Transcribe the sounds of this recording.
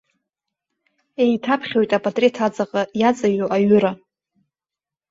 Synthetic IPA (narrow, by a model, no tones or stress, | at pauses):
e̞jtʰapʰχʲojtʼapʼatʼretʰat͡sʼaqʼajat͡sʼaɥoʔaɥʊɾa